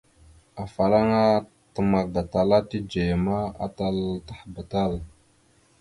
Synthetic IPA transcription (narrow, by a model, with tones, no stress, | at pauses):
a˨fa˨ɾa˦ŋa˦ | tə˨ma˨ɾba˨ta˨la˦ti˦d͡ʒe˨ma˦a̰˨ta˦ltḁ˦˨hba˨ta˦˨l